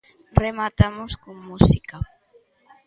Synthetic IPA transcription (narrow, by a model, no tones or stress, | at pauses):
remat̪amʊskoŋmusika